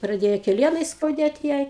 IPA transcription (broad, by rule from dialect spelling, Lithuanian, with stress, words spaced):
prɐˈdʲeːjɛ kʲɛˈlʲiɛnɐɪ skɐʊˈdʲeːt ˈjɛɪ